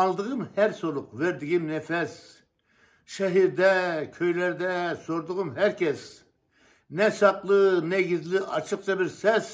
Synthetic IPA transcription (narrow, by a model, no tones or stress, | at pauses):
ɑlˠd̪əʁɯmhæɾsoɾˠʊqveɾd̪ɪɡʲimnɛfɛs | ʃɛɦiɾd̪ɛkʲʰøjlɛɾd̪ɛsoɾd̪ʊʁɯmɦæɾkʲʰɛs | nɛʃɑqlˠɨnɛɡʲizlɪʔɑ̰t͡ʃʰɨq̚t͡ʃʰɑbɪɾsɛs